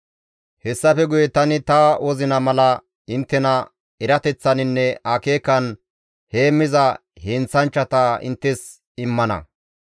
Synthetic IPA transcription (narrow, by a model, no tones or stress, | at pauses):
hɛsːɐfɛɡʊjɛt̪ɐnɪt̪ɐwɔzɪnɐmɐlɐ | ɪnt̪ːɛnɐ | ɛɾɐt̪ɛt͡sːɐnɪnːɛaːkeːkːɐn | heːmːɪzɐ | heːnt͡sːɐnt͡ʃːɐt̪ɐɪ̰nt̪ːɛs | ɪmːɐnɐ̰